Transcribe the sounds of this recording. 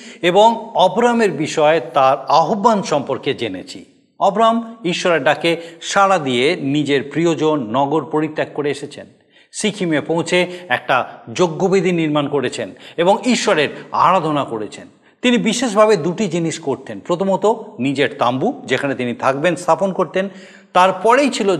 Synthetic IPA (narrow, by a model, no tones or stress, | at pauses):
eboŋɔbɾameɾbiʃɔet̪aɾaɦobːanʃɔmpoɾked͡ʑenḛt͡ɕʰi | ɔbɾamiʃːɔɾeɾɖ̪akeʃaɽad̪ijenid͡ʑeɾpɾiod͡ʑonːɔɡoɾpoɾit̪ːekːoɾeeʃet͡ɕʰen | ʃikʰimepõw̃t͡ɕʰeɛk̚ʈad͡ʑoɡːobid̪ʱiniɾmankoɾet͡ɕʰeneboŋiʃːɔɾeɾa̰ɾad̪ʱonakoɾet͡ɕʰen | t̪inibiʃeʃ̬bʱabed̪uʈid͡ʑiniʃkoɾt̪ʰenpɾot̪ʰomot̪onid͡ʑeɾt̪ambud͡ʑekʰanet̪init̪ʰak̚benst̪ʰaponkoɾt̪en | t̪aɾpɔɾejt͡ɕʰilo